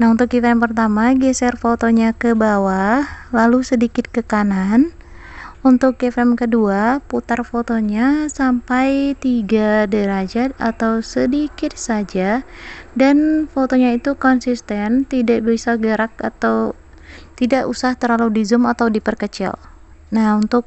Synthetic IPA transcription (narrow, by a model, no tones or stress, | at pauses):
naɦunt̪ʊk̚ifaɛampərt̪amaɡɛsɛrfot̪oɲakəbawalalusədikɪt̪̚kəkanan | unt̪ʊk̚ːɛfɛmkəduaput̪arfot̪oɲasampajt̪iɡadəɾad͡ʒat̪̚a̰t̪awsədikɪt̪̚sad͡ʒadanfot̪oɲait̪ukɔnsist̪ɛnt̪idaʔbisaɡəɾak̚at̪aw | t̪idaʔusaht̪əɾaludizʊmat̪awdipərkət͡ʃɪ̰l | nahunt̪ʊk̚